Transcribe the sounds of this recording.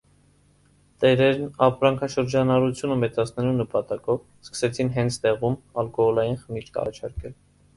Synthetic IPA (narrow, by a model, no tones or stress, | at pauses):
t̪ɛɾɛɾnɑpɾɑŋkʰɑʃəɾd͡ʒɑnɑɾut͡sʰjunəmɛt͡sɑt͡sʰnɛlunəpɑt̪ɑkɔv | skə̥sɛt͡sʰinɦɛnt͡sʰt̪ɛʁumɑlkɔhɔlɑjinχənit͡ʃkɑ̰rɑ̰t͡ʃʰɑɾkɛl